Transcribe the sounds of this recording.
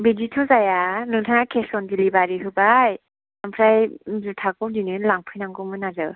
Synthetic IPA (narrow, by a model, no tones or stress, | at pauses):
biditʰɔzajanɯŋtʰaŋakʰesɔndilibaɾiɦɯbaj | ampʰɾajzutʰakɯdinɯnlaŋpʰɯjnaŋɡɯmɯnazɯ̰